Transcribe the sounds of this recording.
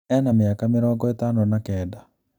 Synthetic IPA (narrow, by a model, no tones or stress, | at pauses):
ɛnamɪakameɾɔːŋɡɔet̪anɔnakɛːda